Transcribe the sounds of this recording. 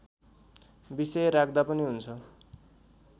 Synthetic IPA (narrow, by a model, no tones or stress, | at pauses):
bisʌjɾakd̪apʌniɦunt͡sʰʌ